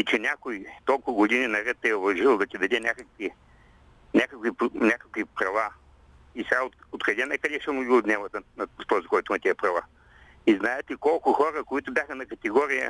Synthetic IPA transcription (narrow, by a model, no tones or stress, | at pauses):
it͡ʃɛnʲakʊit̪ɔlˠkʊɡʊd̪ininɐɾɛt̪ːɛʊvɐʒilˠd̪ɐt̪ʲid̪ɐd̪ɛnʲakəkvi | nʲakəkvipnʲakəkvipɾɐva | isɛɡaot̪ot̪kɐlʲɛnɛkɐd̪ɛʃɛmʊɡiʊd̪nʲɛvət̪ənɐft̪ɔzikɔjt̪ʊnɐt̪iɐpɾɐva | iznaɛt̪ɛkɔlˠkʊxɔɾəkoit̪ʊbʲjaxənɐkɐt̪ɛɡɔɾijə̰